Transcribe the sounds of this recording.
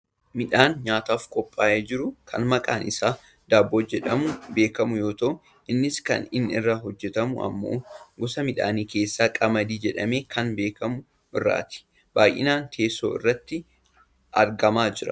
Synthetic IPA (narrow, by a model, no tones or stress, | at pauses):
mɪᶑaːnɲaːt̪aːfkʼɔpʼːaːʔeːd͡ʒɪɾʊkʰɐ̰nmɐkʼaːnɪsaː | d̪̥aːbːoːd͡ʒɛᶑɐmʊbe̞ːkɐmʊjo̞ːt̪ɐʔʊ | ʔɪnːɪskɐ̰nɪnɪ̰rːaːɦɔd͡ʒːɛt̪ɐmʊ̰ɐ̰mːo̰ːɡɔsɐmɪᶑa̰ːniːke̞ːsːaːkʼɐmɐd̪iːd͡ʒɛᶑɐme̞ːkʰɐnbe̞ːkɐmʊ | ɪrːa̰ːt̪ɪ̥ | b̥aːjʔɪ̰naːnt̪ʰe̞ːso̰ːɪ̰rːɐt̪ːɪ | ʔɐɾɡɐmaːd͡ʒɪɾɐ̰